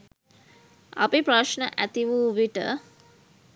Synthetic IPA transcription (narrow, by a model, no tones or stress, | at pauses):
a̰pipɾaʃɳəʔæt̪iʋuːʋiʈə̰